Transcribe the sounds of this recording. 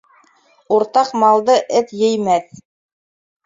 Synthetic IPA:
uɾt̪ɑqmɑlˠd̪ɤʔɘt̪jɘ̆jmæθ

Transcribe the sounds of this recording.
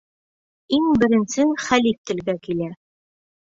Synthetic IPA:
iŋbɘ̆ɾɘ̆nsɘχælift̪ɘ̆lɡækilæ

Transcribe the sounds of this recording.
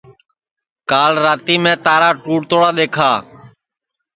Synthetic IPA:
kaːlɾaːt̪iːmẽːt̪aːɾaːʈuːʈt̪oːɽaːɗ̪eːkʰaː

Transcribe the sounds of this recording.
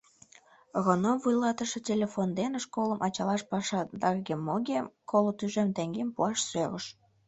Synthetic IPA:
ɣonovujlɑt̪əʃetʲelʲefond̪enʃkoləmʔɑt͡ɕɑlɑʃpɑʃɑd̪ɑrɡʲemːoɡʲekʰolot̪yʒemt̪eŋɡempuɑʃsøɣəʃ

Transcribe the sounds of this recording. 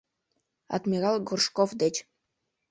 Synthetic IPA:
ɑ̰t̪mʲiɣɑlˠɡurʃkofd̪et͡ɕ

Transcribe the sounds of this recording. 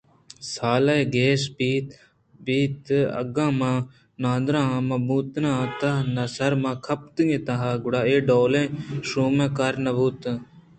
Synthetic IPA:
saːlɐeɡeːsbiːt̪ | biːt̪ɐ̰ɡãːmãː | nãːnd̪ɾãːmɐbuːt̪nãːt̪ɐnɐsɐɾmãːkʰɐp̚t̪ŋẽt̪aɦaːɡʊɽaːeːɖoːlẽːʃuːmẽːkaɾnɐbuːt̪ː

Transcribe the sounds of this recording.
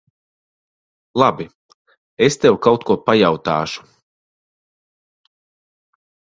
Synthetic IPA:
lˠabi | est̪ewkawt̪kuɔpajawt̪aːʃu̥

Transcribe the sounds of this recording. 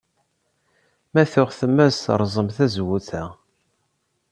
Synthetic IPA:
mæθʊʁθəmːæsɾˤzˤəmθæzwuθæ

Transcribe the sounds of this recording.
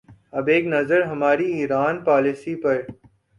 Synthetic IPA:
ɐbeːknɐzəɾɦɐmaːɾiiːɾaːnpaːlisiːpɐɾ

